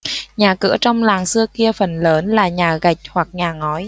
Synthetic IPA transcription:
ɲaː˨˩kɨ̰˧˥ət͡ɕɔ˧wŋ͡mlaː˨˩ŋsɨ˧əki˧əfə˨˩nləː˨˦nlaː˨˩ɲaː˨˩ɣa˨˩jk̚hwa˨˩k̚ɲaː˨˩ŋɔ˨˦j

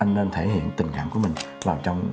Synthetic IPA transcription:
ʔa˧jŋne˧nt̪ʰe˧˩hḭ˧˨ənt̪ï˨˩ŋ̟ka̰ː˧˩mku˧˦mï˨˩ŋ̟laː˨˩wt͡ɕɔ˧wŋ͡m

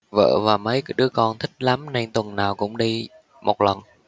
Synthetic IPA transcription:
və̰ː˧˨vaː˨˩mə˨˦jɗɨ˨˦əkɔ˧nt̪ʰï˦˥k̟̚la˨˦mne˧nt̪wə˨˩nnaː˨˩wkʊ̰˧˥ŋ͡mɗi˧ | mo˨˩t̚lə˨˩n

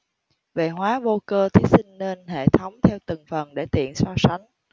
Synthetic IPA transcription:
vḛ˨˩ɦwaː˨˦vo˧kəː˧t̪ʰi˨˦sï˧ŋ̟ne˧nɦḛ˧˨t̪ʰə˨˦wŋ͡mt̪ʰɛ˧wt̪ə˨˩ŋfə˨˩nɗe˧˩t̪ḭ˧˨ənswaː˧sa˨˦jŋ̟

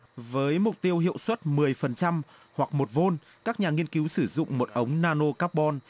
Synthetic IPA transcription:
vəː˨˦jmʊ˨˩k͡p̚t̪i˧əwhḭ˧˨əwswə˦˥t̚mɨ˨˩əjfə˨˩nt͡ɕa˧m | hwa˨˩k̚mo˨˩t̚vo˧n | kaː˦˥k̚ɲaː˨˩ŋi˧ənki˨˦wsɨ˧˩zʊ̰˧˨ŋ͡mmo˨˩t̚ʔə˨˦wŋ͡mnaː˧no˧kaː˦˥p̚ɓɔ˧n

